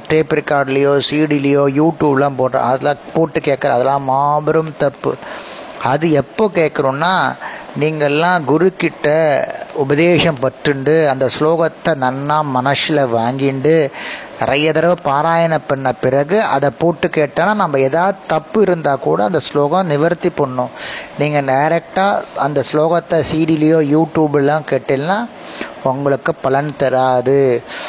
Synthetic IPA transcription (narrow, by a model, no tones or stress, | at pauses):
ʈɾeːpɪɾkaːɾɖɪlɐjoːsiːɽilɪjoːjuːʈjuːblãːpoːʈɾã̰ːɐðɐlːãːpoːʈːɯkeːʈkːɐɾɐ̰̃ːɐðɐlːãːmaːbɪɾɐmt̪ɐpːɯ̰ | ɐðɯɛpːoːkeːʈkːɐɾʊ̃nːaːniːŋɡɐlːãːɡʊɾʊkːɪʈːɐʊbɐðeːʂɐmpɐʈːɾɯɳɖɯɐnd̪ɐsloːɣɐt̪ːɐnɐnːaːmɐnɐʂɪlɐʋaːŋɡɪɳɖɯnɪɾɐjɐt̪ɐɾɐʋɯpaːɾaːjɐnɐpːɐɳːɐpɪɾɐɣɯʔɐðɐpːoːʈːɯkeːʈːeːnːaːnɐmːɐeːðaːʋðɯt̪ɐpːɯɪɾɯnd̪aːkuːɽɐɐnd̪ɐsloːɣɐ̃mnɪʋɐɾt̪ːipːɐɳːʊ̃niːŋɡɐɖɐjɾɛk̚ʈaːɐnd̪ɐsloːɣɐt̪ːɐsiːɽilɐjoːjuːʈjuːbɛlːãːkeːʈːeːlnaː | ɔŋɡɐɭɯkːɯpɐlɐnt̪ɛɾaːðɯ